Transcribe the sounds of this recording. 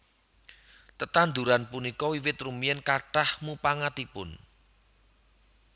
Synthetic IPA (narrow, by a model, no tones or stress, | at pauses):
t̪ət̪and̪uɾanpunikɔwiwɪt̪rumiɛnkaʈahmupaŋat̪ipʊ̰n